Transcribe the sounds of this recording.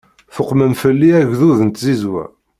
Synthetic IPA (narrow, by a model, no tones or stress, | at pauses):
fəqːməmfəlːiæʝðuðənt̪zizwæ̰